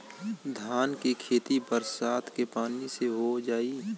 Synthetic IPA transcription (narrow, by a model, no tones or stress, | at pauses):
d̪ʱaːnkikʰeːt̪ibəɾsaːt̪ʰkepaːniseɦod͡ʒaːiː